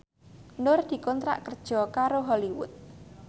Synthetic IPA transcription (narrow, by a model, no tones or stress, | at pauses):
nʊrd̪̥i̤kɔnt̪ɾa̰ʔkərd̥ʒ̥ɔ̤kaɾoɦɔliwʊ̰t̪̚